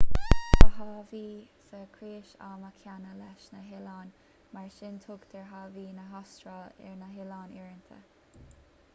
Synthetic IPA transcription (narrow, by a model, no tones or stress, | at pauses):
əhɑːviː | səkʰɾeːʃa̰ːməkʰjanəlɛʃnəɦɪlɑːn | maɹʃɪnt̪ʰʊɡd̪ʰɛɹɦɑːviːnəɦɑstɹalɛ̰ɹnəɦɪlɑːniːɹənt̪ʰə̰